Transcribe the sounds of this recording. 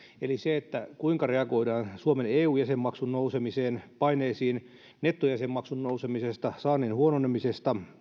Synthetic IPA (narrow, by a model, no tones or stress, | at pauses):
eliseet̪ːækuiŋkɑreɑɡoidɑːnsuomeneːuːjæsemːɑksunnousemiseːnpɑineːsiːn | net̪ːojæsemːɑksunnousemisest̪ɑsɑːneːnhuononemisest̪ɑ